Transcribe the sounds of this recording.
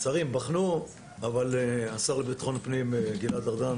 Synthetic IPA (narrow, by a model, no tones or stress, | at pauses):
t͡saʁimbaχnu | avaleasaʁlebit̪aχo̞npnimɡilad̪aʁd̪an